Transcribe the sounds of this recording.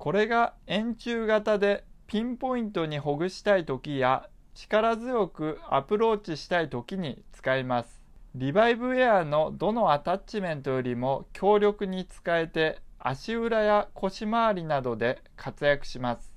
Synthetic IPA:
ko̞ɾe̞ɡaẽ̞ɲ̟t͡ɕɨːɡat̪ad̪e̞pʲĩmpo̞ĩnt̪o̞ɲ̟iɦo̞ɡɯ̟ɕi̥t̪ait̪o̞kʲija | t͡ɕi̥kaɾazɨjo̞kɯ̟a̰pɯ̟ɾo̞ːt͡ɕiɕi̥t̪ait̪o̞kʲiɲ̟it͡sɨ̥kaimasɨ̥ | ɾʲibaibɯ̟eano̞d̪o̞no̞at̪at͡ɕimẽ̞nt̪o̞jo̞ɾʲimo̞kʲʰo̞ːɾʲo̞kɯ̟ɲ̟it͡sɨ̥kae̞t̪e̞a̰ɕiɯ̟ɾajakʰo̞ɕimaaɾʲinad̪o̞d̪e̞ | kʰat͡sɨjakɯ̟̥ɕimasɨ̥

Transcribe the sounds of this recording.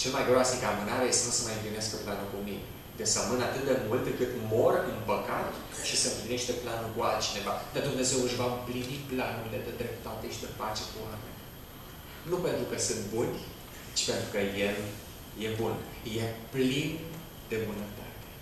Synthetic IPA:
t͡ʃe̞lmajɡɾoasnikəamɨnaɾejest̪enusəmajɨmplimeaskəplanulkumine | d̪esəmɨnat̪ɨt̪̚d̪e̞mult̪̚d̪ekɨt̪mo̞rʔɨnpəkat̪ | ʃisəɨmpline̞ʃt̪e̞planulkualt̪̚t͡ʃine̞vad̪ad̪umne̞ze̞wɨʃvaɨmpliniplanuɾile̞d̪ed̪ɾe̞p̚t̪ːat̪eʃid̪epat͡ʃe̞kuamḛnʲ | nupe̞nt̪ɾukəsɨnt̪bunʲ | t͡ʃi̥pe̞nt̪ɾukəjel | je̞bun | je̞plin | d̪e̞mɨnət̪at̪e̥

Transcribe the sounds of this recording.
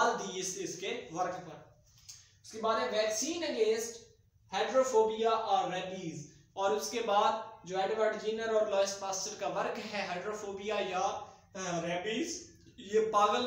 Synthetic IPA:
ld̪iɪseʊskeʋɐɾkpɐɾ | ʊskebaːd̪ɦɛ̃ʋɛːksiːnəɡẽːnsʈ | haɪɖɾoːfoːbijaʔɔːɾːɛːbiːz | ɔːɾʊskebaːd̪d͡ʒoːɛ̃ːɖɪʋaːʈɪd͡ʒiːnəɾɔːɾlɔːɪsʈpaːsʈəʈkaʋɐɾkɦɛɦaɪɖɾoːfoːbijaja | ɾɛːbiːz | jeːpaːɣəl

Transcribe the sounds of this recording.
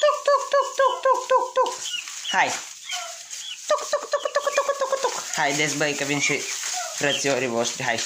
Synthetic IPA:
t̪uk̚t̪ukt̪uk̚t̪ukt̪uk̚t̪ut̪ukhaj | t̪ukt̪ukt̪ukt̪ukt̪ukt̪ukt̪ukhajd̪es̬bɐjkɐbinsiɾɐt͡sijoɾibosɾiɦaj

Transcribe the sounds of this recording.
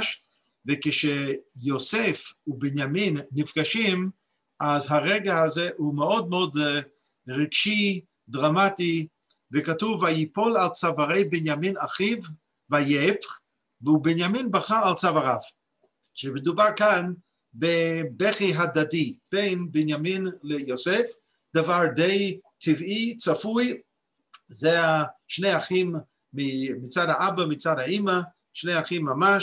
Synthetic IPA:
ʃ | vekɪʃejosefubenjaminːifɡaʃim | azɦaʁeɡahazeumeod̪̚meod̪ | ʁiɡʃi | d̪ʁamati | vekatuvaipolalt͡savaʁejbenjaminaχiv | vajef | veubenjaminbaχaalt͡savaʁav | ʃemed̪ubaʁkan | bebeχiɦad̪adib̥ejnbɪnjaminlejosef | d̪̥avaʁdejtʰivit͡safuj | zeaʃnejaχimː | imit͡sadaabamit͡sadhaima | ʃnejaχimːama

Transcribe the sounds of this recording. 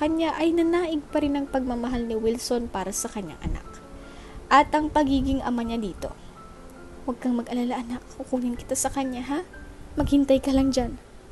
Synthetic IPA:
kɐɲːaʔɐjnɐnaːʔɪɡ̚pɐɾɪnɐŋpɐɡ̚mamɐɦalnɪwɪlso̞npaːɾɐsɐkɐɲːa̰ŋʔɐ̰na̰k̚ | ʔɐt̪ʔɐŋpɐɡiːɡɪŋʔɐ̰maɲad̪iːt̪o̞̰ | wɐɡ̚kɐŋmɐɡʔɐlalaʔɐnakːʊkuŋɪnkɪ̥t̪asɐkɐɲːaɦamɐɡ̚hɪnt̪ajkɐlɐŋd͡ʒan

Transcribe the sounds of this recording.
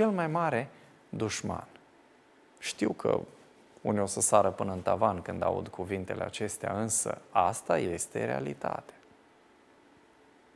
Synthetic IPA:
t͡ʃe̞lmajmaɾe̞ | d̪uʃma̰n | ʃt̪iwkʰə̰ | unio̞səsaɾəpɨnəɨnt̪avankɨnd̪a̰ṵd̪kʰuvint̪e̞lʔe̞at͡ʃe̞st̪eaɨnsə̰ast̪aje̞st̪e̞̰ɾe̞̰alit̪a̰t̪ea

